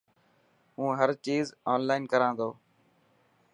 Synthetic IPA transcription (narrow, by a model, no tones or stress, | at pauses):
ɦũːɦəɾt͡ʃiːzaːnlaːɪnkəɾãːnd̪oː